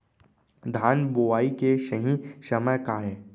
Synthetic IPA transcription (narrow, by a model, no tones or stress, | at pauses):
d̪ʱaːnboʋaːikeʃəɦĩʃɐməjkaːɦẽː